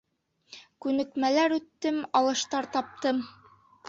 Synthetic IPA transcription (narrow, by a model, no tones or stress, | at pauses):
kʉnɘ̆kmælæɾʉt̪ːɘmɑlˠɤ̆ʃt̪ɑɾt̪ɑp̚t̪ɤm